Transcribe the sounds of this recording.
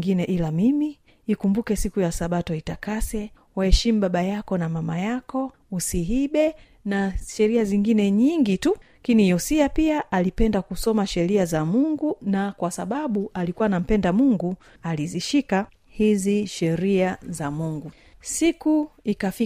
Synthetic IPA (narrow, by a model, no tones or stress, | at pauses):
ŋɡinɛʔilamimiː | kumbukɛsikujasaɓatɔitakasɛ | wahɛʃim̩ɓaɓajakɔnamamajakɔ | usiɦiɓɛ | naʃɛɾiaziŋɡinɛɲiŋɡitu | kinijɔsiapiaʔalipɛndakusɔmaʃɛɾiazamuŋɡunakwasaɓaɓuʔalikuwanam̩pɛndamuŋɡu | aliziʃika | hiziʃɛɾiazamuŋɡu | sikuikafi